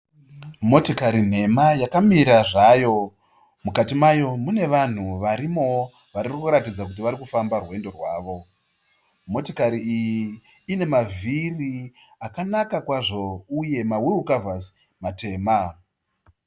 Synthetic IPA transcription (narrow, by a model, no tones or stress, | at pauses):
mo̞tokaɾin̤e̞majakamiɾaʐajo̞ | mukatimajo̞mune̞ʋan̤uʋaɾimo̞ | ʋaririkuɾatid͡zakut̬iʋaɾikufambarwe̞ndo̞rwaːʋo̞ | mo̞tokaɾiijiː | ne̞maviri | akanakakwaʐo̞uje̞maweukavas | mate̞ːma